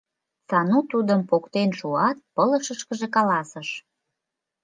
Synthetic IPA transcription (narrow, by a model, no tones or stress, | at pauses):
sɑnut̪ud̪əmpokt̪enʃuɑt̪̚pələʃəʃkəʒekɑlɑsəʃ